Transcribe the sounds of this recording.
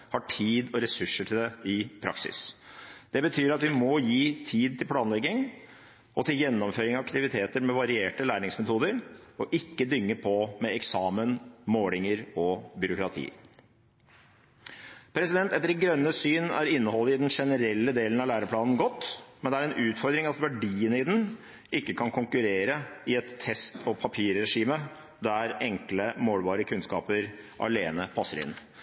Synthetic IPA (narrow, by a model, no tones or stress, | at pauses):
hɑʈʰiːd̪ɔɾɛsʉʂːəʈʰɪld̪ɛɪpʰɾɑ̰ksɪ̰sd̪̥ɛbət̪ʰyːɾɑt̪ʋɪmɔjiːt̪ʰiːd̪̚t̪ʰɪlpʰlɑːnlɛɡːɪŋ | ɔt̪ʰɪljɛnːɔmføːɾɪŋɑʋɑkt̪ɪʋɪt̪ʰeːt̪əɾmɛʋɑɾɪeːʈəlæːɳɪŋsmɛt̪ʰuːd̪əɾɔʔɪkːəd̪ʏŋːəpʰɔmɛɛksɑːmənmoːlɪŋəɾɔbʏɾʊkɾɑt̪ʰḭː | pʰɾɛsɪd̪ɛnt̪ɛt̪əɾɪɡɾœnːəsyːnæ̰ɾɪnːəhɔlːəɪd̪ɛnʂɛnəɾɛlːəd̪eːlən̩ɑʋlæːɾəpʰlɑːnn̩ɡɔt̪ːmɛnd̪ɛæɾɛnʔʉːt̪fɔɾd̪ɾɪŋɑt̪ʋæɖiːənɪd̪n̩ | ɪkːəkʰɑnkʰʊŋkʉɾeːɾəɪɛt̪ʰːɛst̪ʰɔpʰɑpʰiːɾːɛʂiːmə | d̪æɾɛŋkləmoːlʋɑːɾəkʰʉnskɑ̰ːpəɾ | ʔɑ̰leːnəpʰɑsːəɾɪ̰n